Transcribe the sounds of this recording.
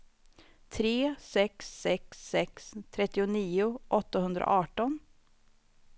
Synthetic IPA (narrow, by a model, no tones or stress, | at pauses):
t̪ʰɾeːsɛksːɛksːɛkst̪ʰɾɛt̪ːɪʊniːʊʔɔt̪ːahɵnd̪ɾa̰ʔɑːʈɔn